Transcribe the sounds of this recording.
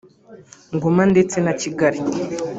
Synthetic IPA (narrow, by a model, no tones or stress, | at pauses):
ŋɡomande̞t͡se̞naciɡaɾi